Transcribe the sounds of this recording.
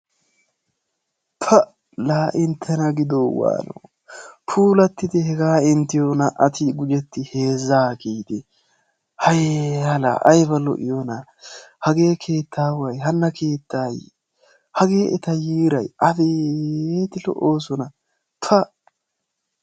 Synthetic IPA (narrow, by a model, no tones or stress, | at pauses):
pʰɐ | laːʔɪnt̪ʰːɛnɐɡɪd̪oːwa̰ːno̰ː | pʰuːlɐt̪ːɪd̪ɪhɛɡaːɪnt̪ɪjonɐʔɐt̪ʰɪɡʊd͡ʒɛt̪ːɪhe̞ːzːaːɡiːd̪ɛ | hɐjhɐla̰ːʔɐjbɐlɔ̰ʔɪ̰jonɐ | hɐɡe̞ːkʰe̞ːt̪ʰːaːwɐjɦɐnːɐke̞ːt̪ːaːj | hɐɡe̞ːʔɛt̪ɐjiːɾɐjʔɐd̪eeːt̪ɪlɔ̰ʔo̞ːs̬ɔnɐ | pʰɐ